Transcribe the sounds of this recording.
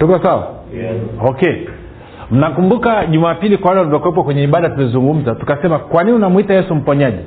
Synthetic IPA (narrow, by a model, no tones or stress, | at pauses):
tukɔsawa̰ | ɔkɛ | m̩nakumbukaʄumaːpilikwawalanutakwɛp̬wakwɛɲɛiɓaɗatumɛzuŋɡum̩zatu̥kasɛmakwaniniunamuitajɛsum̩pɔɲaʄɛ